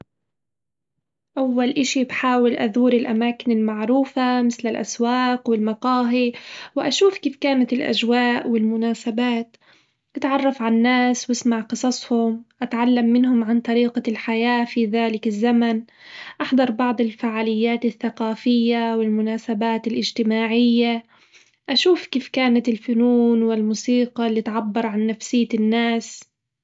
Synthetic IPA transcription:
ʔawːalʔɪʃibħaːwɪlʔaðuːɾɪlʔamaːkɪnɪlmaʕɾuːfamɪθlɪlʔa̰swaːqwɪlmɑqɑːɦiwʔaʃuːfkiːfkaːnat̪ɪlʔa̰ʒwaːʔwɪlmʊnaːsabaːt̪ | ʔat̪ʕɑrˤːɑfʕanːaːswɪsmaʕqɨsˤɑsˤhʊmʔat̪ʕalːamːɪnhʊmʕant̪ˤɑɾiːqalħajaːfiːðaːlɪkɪzːaman | ʔaħd̪ˤɑɾˤbɑʕd̪ˤɪlfaʕaːlɪjːaːt̪ɪθːaqɑːfɪjːawɪlmʊnaːsabaːt̪ɪlʔɪd͡ʒt̪ɪmaːʕɪjːa | ʔaʃuːfkiːfkaːnat̪ɪlfʊnuːnwɪlmuːsiːqɑlːit̪ʕabːɑɾˤʕanːafsɪjːanːaːs

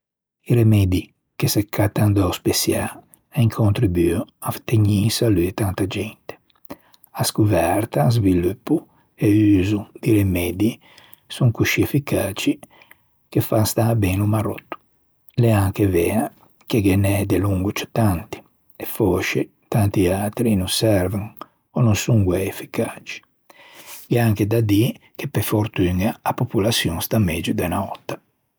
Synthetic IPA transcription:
iɾemɛd̪i | kesekʰːat̪and̪auspesja | aiŋkʰont̪ɾibyaft̪eɲisalyt̪ant̪ad͡ʒɛnt̪e̥ | askuvɛɾt̪aːzvilupːu | eyːzud̪iɾemɛːd̪i | suŋkuʃiɛfikaːt͡ʃi | kefast̪abɛnumaɾɔ̰t̪ːu̥ | lɛaŋkevɛːa | keɡɛnɛd̪eluŋɡut͡ʃu̥t̪ant̪i̥ | ɛfɔːʃe | t̪ant̪ialt̪ɾinusɛɾveŋ | ɔnonsuŋɡwɛɛfːikaːt͡ʃi̥ | ɡɛaŋked̪ad̪i | k̟epːefoɾt̪yŋaːpopulasjuŋst̪amɛd͡ʒud̪ɛnaɔt̪ːa

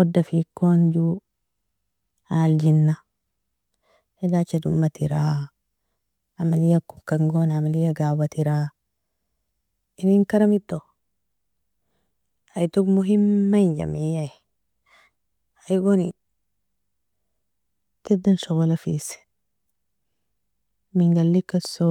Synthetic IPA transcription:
ɔd̪ːɐfiːkːond͡ʒuː | haːld͡ʒɪnːɐ | hɛlaːt͡ʃːɐd̪ʊmːɐt̪ɪɾaː | amɐlɪjɐkʊ̥kːɐŋɡoːnamɐlɪjɐɡaːwɐt̪ɪɾaː | ɪniŋkɐɾɐmɪt̪ːo | ajt̪uɡmuɦimːainɟa̰mija | ajɡoni | t̪ed̪ɐnʃoɣolɐfḭs | miŋɡalːikːaso

